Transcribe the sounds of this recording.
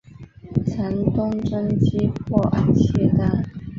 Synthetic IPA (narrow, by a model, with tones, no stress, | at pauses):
t͡sʰa˧˥nt̪ʊ˥ŋʈ͡ʂə˥nt͡ɕi˥p̚ʰɔ˥˩˨t͡ɕʰɛ˥˩t̪a˥˩